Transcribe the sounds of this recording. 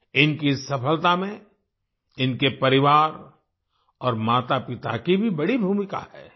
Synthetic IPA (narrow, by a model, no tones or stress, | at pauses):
ɪnkisɐpəlt̪amẽ | ɪnkepɐɾɪʋaːɾ | ɔːɾmaːt̪apɪt̪a̰kibʱibɐɽibʱuːmɪka̰hɛ̰ː